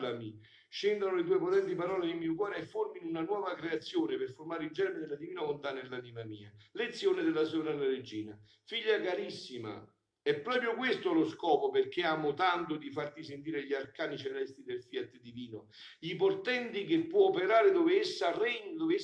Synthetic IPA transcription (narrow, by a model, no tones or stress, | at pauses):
lami | ʃːend̪anolet̪̬uːepot̪ɛnt̪ipaɾɔːled̪imiokwɔːɾeɛfːorminunanwɔːvakɾeat̪sːjoːneperformaːɾɪild͡ʒɛneɾed̪elːad̪iviːnavont̪anelːanimamiːalet̪sːjoːned̪elːasonanaɾed͡ʒːiːna | fiʎːakaɾisːima̰ | ɛpːɾɔːpɾjʊkwest̪olʊskɔːpoperk̟eaːmʊt̪ant̪ʊd̪ifart̪is̬ent̪iːɾeʎiarkaːnit͡ʃelɛst̪ɾid̪elfjat̪ːd̪iviːnoʎiport̪ɛnt̪ikepːwɔːpeɾaːɾed̪oveesːarːɛɲːd̪ove